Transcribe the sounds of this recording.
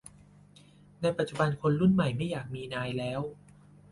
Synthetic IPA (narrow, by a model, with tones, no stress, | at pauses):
na˧jpa˨˩t̪̚t͡ɕu˨˩ba˧nkʰo˧nɾu˥˩nma˨˩jma˥˩jːaː˨˩k̚miː˧naː˧jlɛː˦˥w